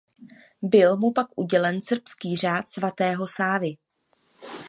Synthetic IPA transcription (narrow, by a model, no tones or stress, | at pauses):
bɪlmupakʔuɟɛlɛnsr̩pskiːr̝aːt̪svat̪ɛːɦo̞saːvɪ